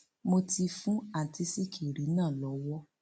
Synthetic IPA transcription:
mo˧ti˧fũ˦a˨ti˧˦si˦˨ki˨ɾi˨˦nãː˦˨lɔ˨˧˦wɔ˦

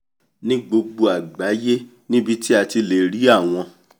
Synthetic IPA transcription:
nĩ˦ɡ͡bo˧ɡ͡bo˧a˨ɡ͡ba˨˦je˦ | nĩ˦bi˧ti˦a˧ti˧le˨ɾi˨˦a˦˨w̃ɔ̃˧

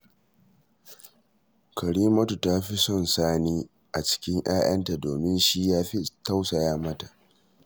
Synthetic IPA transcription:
kɐ˨ɽiː˦mɐ˦tu˨ta˦ɸi˦sɔ˦˨nsaː˦niː˦ | ʔa˨t͡ʃɪ̥˦kʲɪ˦ŋʔaː˦ʔɐ˦nta˨doː˨mɪ˦nʃi˦jaː˦ɸi˦ta˦wsa˨jaː˦mɐ˦ta˨ʔ

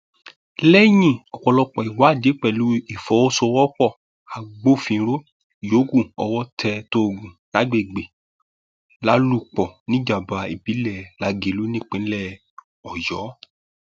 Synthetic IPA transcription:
lɛ˦j̃ĩ˦˨ɔ˨kɔ˧lɔ˧k͡pɔ˨i˨wa˨˦˨de˨˦k͡pɛ˦˨lu˦i˦˨fɔ˨˦o˦sɔ˧wɔ˦k͡pɔ˦˨ | a˨ɡ͡bo˦fĩ˧˦ɾo˦ | jo˨˦ɡũ˦˨ɔ˧wɔ˦tʰɛ˧to˦˨ɡũ˨la˦ɡ͡be˦˨ɡ͡be˨ | la˦lu˦k͡pɔ˨nĩ˦d͡ʒa˨ba˨˧i˨bi˨˦lɛ˨la˧˦ɡe˨˦lu˦nĩ˦k͡pẽ˨˦lɛ˦˨ | ɔ˨jɔ˨˦

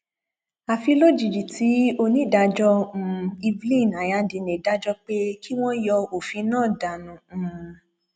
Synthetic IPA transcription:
a˨fi˧lo˦d͡ʒi˨d͡ʒi˨tʰi˨˦o˧nĩ˦˨da˧d͡ʒɔ̃˦˧i˧bli˦˨na˨ja˨˧˦di˨˧nẽ˨da˦d͡ʒɔ˦k͡pe˦kʰi˦w̃ɔ̃˦jɔ˧o˨fĩ˧˦nãː˦˨da˨nũ˨

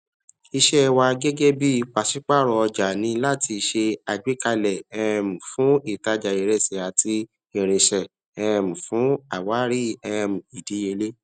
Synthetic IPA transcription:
i˧ʃɛ˦˧wa˧ɡe˦ɡe˦bi˦˧k͡pa˨si˨˦k͡pa˦˨ɾɔ˧ɔ˧d͡ʒa˨nĩ˧la˦ti˧ʃe˧a˨d͡ʒe˨˦ka˧lɛ˨ɛ˦˧˨mũ˨fũ˨˦i˦˨ta˧d͡ʒa˧˨e˨ɾɛ˦˨sɛ˨a˨ti˧ | e˨ɾ̃ẽ˨ʃɛ˨ | ɛ˧˨mũ˨fũ˨˦a˦˨wa˨˦ɾi˦ɛ˦˧˨mũ˨i˨di˨˦je˧le˦

